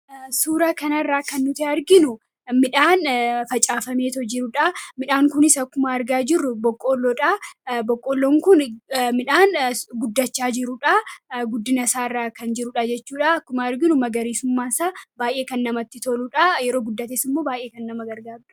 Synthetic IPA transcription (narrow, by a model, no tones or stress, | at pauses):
suːɾaːkɐnɐrːaːkɐnːʊt̪ɪɐɾɡɪnʊ | mɪᶑaːnfɐt͡ʃʼaːfɐme̞ːt̪ɔd͡ʒɪɾʊᶑamɪᶑaːŋkʊnɪsɐkːʊmɐɐɾɡaːd͡ʒɪrːʊbɔkʼːoːlːoᶑabɔkʼːoːlːoːŋkʊnmɪᶑaːnɡʊd̪ːɐt͡ʃːaːd͡ʒɪɾʊᶑaɡʊd̪ːɪnɐsaːɪrːaːkɐnd͡ʒɪɾʊᶑad͡ʒɛt͡ʃːuːᶑaɐkːʊmaɐɾɡɪnʊmɐɡɐɾiːsʊmːaːsaːbaːjʔe̞ːkɐnːɐmɐt̪ːɪt̪oluᶑajɛɾo̞ːɡʊd̪ːɐt̪eːsɪmːo̞ːbaːjʔeːkɐnːɐmɐɡɐɾɡaːbɪᶑɐ̥